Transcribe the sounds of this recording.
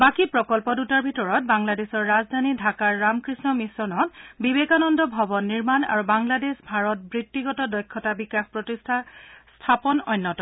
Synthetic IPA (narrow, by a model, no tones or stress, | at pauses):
bakipɹɔkɔlpɔdutaɹbʱitɔɹɔt̚baŋladesɔɹːazdʱanidʱakaɹːamkɹisnɔmisɔnɔtbibekanɔndɔbʱɔbɔnːiɹmana̰ɹubaŋladesbʱaɹɔt̚bɹitːiɡɔtɔdɔjkʰːɔtabikaxpɹɔtisstʰapɔnɔjnːɔtɔ